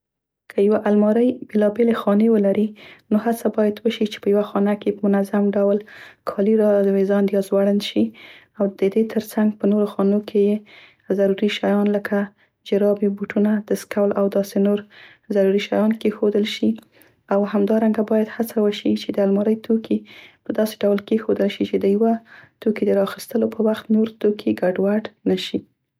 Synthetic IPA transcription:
kʰəjawaʔalmɑɾəjbelɑbelexɑnewəlaɾinohat͡sabɑjad̪wəʃit͡ʃe̥pəjawaxɑnakepəmʊnazamɖawlkʰɑliɾɑd̪wezɑnd̪jɑzwaɽənʃi | awd̪əd̪et̪ʰəɾt͡saŋɡ̚pənoɾoxɑnokʰeje | əzaɾuɾiʃajɑnləkʰa | d͡ʒɪɾɑbibuʈunad̪̥əskawlawd̪ɑsenoɾ | zaɾuɾiʃajɑnkexod̪əlʃi | awhamd̪ɑɾaŋɡabɑjad̪hat͡sawəʃit͡ʃed̪əalmɑɾəjt̪ʰokʰipəd̪ɑse̥ɖawlkexod̪əlʃit͡ʃed̪əjawat̪okid̪əɾɑxist̪əlopʰəwaxt̪noɾt̪okʰiɡaɖwaɖnəʃi

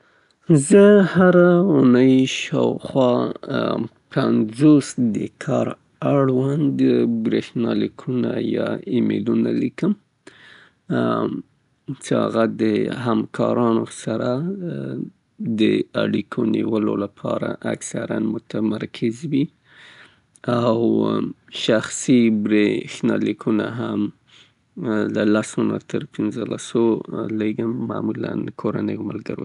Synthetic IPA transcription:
zəhaɾaunəjʃɑwxwɑ | pʰanzosd̪əkʰɑɾ | aɽwand̪əbɾehnɑlikʰunajɑimelunalikəm | t͡ʃeha̰ɣad̪əhamkʰɑɾɑnosaɾa | d̪əaɽikʰoniwəlolapʰɑɾaʔaksaɾanmʊt̪ʰamaɾkʰɪzwi | aw | ʃaxsibɾexnalikʰunaɦam | lalasuna̰t̪ʰəɾpʰɪnzəlasoleɡəmːamula̰nkʰoɾanəjmalɡaɾo

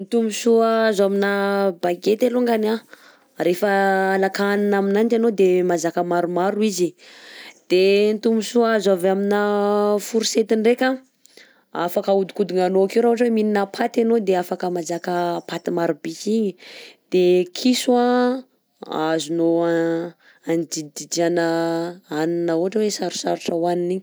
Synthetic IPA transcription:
nt̪umisuaazaminabaɡet̪eluŋɡana | ɾefəːlakaninaminant͡ʃanod̪emazakəmaɾumaɾuizi | d̪̥ent̪umisuazavaminafuɾiset̪iɳɖ͡ʐekʲa | a̰fakaud̪i̥kud̪iŋanoakiwɾauaʈ͡ʂəwemininapʰat̪anod̪eafakəmazakəpat̪imaɾubikiɲid̪̥ekʰisua | azunoa | and͡ʒid̪id͡ʒianəaninəoɦaʈ͡ʂəwesaɾu̥saɾuʈ͡ʂawaniniɲ

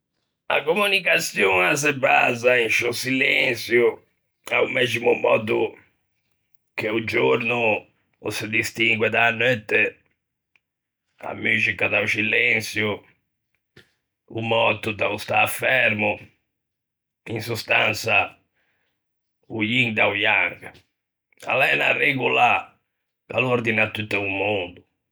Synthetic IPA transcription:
a̰komunikat̪sjuːnas̬eba̰zainʃosilɛnt̪sju | aumɛzimumɔ̰ːd̪u | k̟eud͡ʒoɾnṵː | sɪd̪ist̪iŋɡwɛd̪aːnːɛt̪ːe | a̰myːʃikad̪aut͡ʃilɛnt̪sju | ṵmɔt̪ːud̪aust̪aːfːɛɾmu | insust̪ant̪sa | ujiŋd̪aujarɡ | a̰lɛnareɡula | ka̰loɾd̪inat̪ːut̪ːaumond̪u

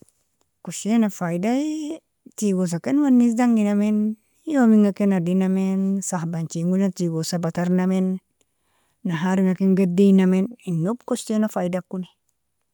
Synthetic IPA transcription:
koʃenafajdaj | tiɡos̬akenwanːis̬daŋɡinamen | jomiŋakenadinamensahbant͡ʃiŋɡunatiɡosabataɾnamen | aɦaɾiŋakeŋɡadijnameninːub̚kost͡ʃenafajdakːuni

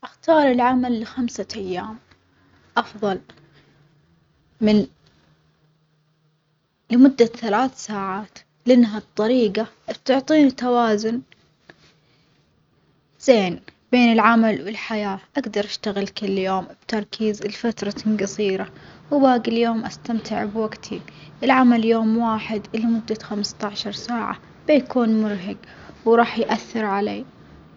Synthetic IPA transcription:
ʔaxt̪ɑːɾˤɪlʕamalːɪxamsaʔajːaːm | ʔɑfðˤɑl | mɪn | lɪmʊd̪ːaθalaːθsaːʕaːt̪ | lʔɪnːɦat̪ˤːɑɾiːɡa | bt̪ʊʕt̪ˤiːnɪt̪ːawaːzʊn | z̥eːnb̥eːnɪlʕamalwɪlħajaːʔaɡd̪ɑɾˤʔaʃt̪aɣɪlkɪlːjoːmb̥t̪ɑɾˤkʰiːzlfat̪ɾˤɑɡɑsˤiːɾawbaːɡɪljoːmʔast̪amt̪ɪʕbwaɡt̪ʰiʔɪlʕamaljoːmwaːħɪd̪lmʊd̪ːaxamst̪aʕʃɑɾˤsaːʕa̰ | b̥ɪjkʰuːnmʊɾɦaɡ | wɾˤɑːħjʔaθːɪɾʕaleː

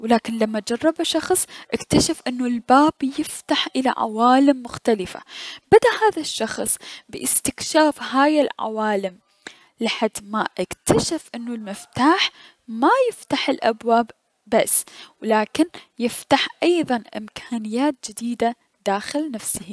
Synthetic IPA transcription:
wlaːkɪnlamːad͡ʒɑrˤːɑbaʃɑxsˤʔɪkt̪aʃafʔɪnːulbaːbjɪft̪aħʔɪla̰ʕa̰waːlɪmːʊxt̪alɪfa̰bad̪aʔhaːðaʃːɑxsˤbɪ̰ʔɪst̪ɪkʃaːfɦaːjɪlʕa̰waːlɪm | lɪħad̪ːmaʔɪkt̪ʰaʃafʔɪnːulmɪft̪aːħ | majɪft̪aħɪlʔabwaːbː | asːwlaːkɪnjɪft̪aħʔɑjðˤɑnʔɪ̰mkʰaːnɪjːaːt̪̚d͡ʒɪd̪iːd̪a | d̪aːxɪlnafsɪhi

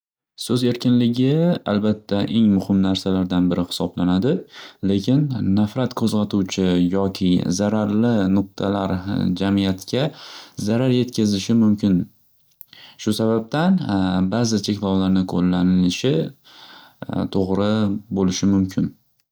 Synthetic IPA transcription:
sɵze̞ɾkʲʰɪnlɪɡʲɪa̰lbat̪ʰːaʔe̞ŋmʊhɪmnaɾsalaɾd̪anbɪɾɪhɪ̥sɒblanad̪ɪle̞kʲɪnːafɾat̪kʰɵzqɑt̪ʰuwt͡ʃʰɪjɒkʲʰɪzaɾaɾlɪnʊq̚t̪ʰalaɾd͡ʒamijat̪kʲʰazaɾaɾje̞t̪kʲʰazɪʃɪmʊmkʲʰɪn | ʃʊsabab̚t̪anbazɪt͡ʃʰe̞kʲlɒwlaɾnɪkʰolːanɪlɪʃɪ | t̪ʰoʁɾɪbolɪʃɪmʊmkʲʰɪn

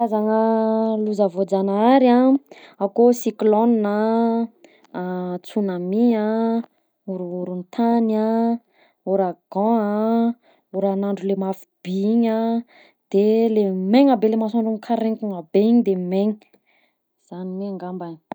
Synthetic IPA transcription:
azaŋəluzavod͡zanaaɾãakosiklonina | t͡sunamia | uɾuuɾunt̪ʰana | uɾaɡ̥ɔ̃a | uɾanaɳɖ͡ʐulemafi̥b̥iiɲa | d̪̥elemeŋabelemasaɳɖ͡ʐuŋkʰaɾeŋkuŋabeɲd̪emeŋi | z̥anineaŋɡamban

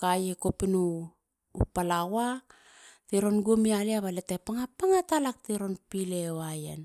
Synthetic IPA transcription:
kajekopinṵː | palawa | teɾonɡomialeaβaletepaŋapaŋatalak̚teɾo̞npilewajḛn

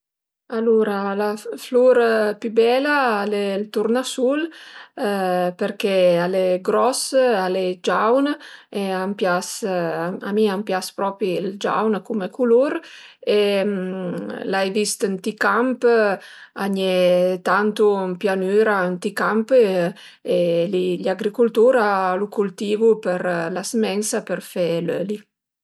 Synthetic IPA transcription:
aluɾalafluɾpybɛlaalelt̪uɾnasul | peɾkɛaleɡɾɔsaled͡ʒawneampjas | a̰miampjaspɾɔpild͡ʒa̰wnkumekuluɾe | lajvist̪ant̪ikamp | aɲɛt̪ant̪umpjanyːɾaant̪ikampə | eliʎaɡɾikult̪uɾalukult̪iːvupəɾlasmɛnsapəɾfɛløli

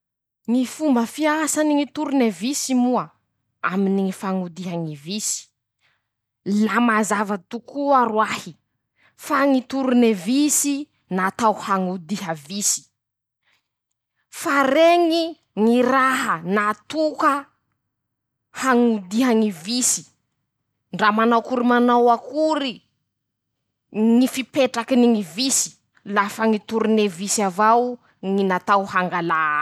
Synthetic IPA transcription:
ŋifumbəfiasaniŋit̪uɾunevisimua | aminiŋifaŋud̪iɦaŋivisi̥ | lamazavət̪ukʰuaɾwahi | faŋit̪uɾunevisi | nat̪awhaŋud̪iɦəvisi̥ | faɾeŋi | ŋiɾaɦənat̪ukə | haŋud̪iɦəŋivisi̥ | ɳɖ͡ʐamanawkuɾimanawakuɾi | ŋifipeʈ͡ʂakiniŋivisi̥ | lafəŋit̪uɾunevisavaw | ŋinat̪awhaŋɡala

